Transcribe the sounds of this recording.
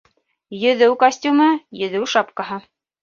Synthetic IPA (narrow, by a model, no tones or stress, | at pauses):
jɵ̆ðɘwkɐsʲtʲumɤjɵ̆ðɘwʃɑpkɑɦɤ